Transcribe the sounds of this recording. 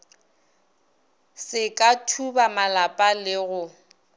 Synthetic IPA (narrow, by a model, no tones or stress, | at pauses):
sɪkʼatʰubamalapʼalɪɣʊ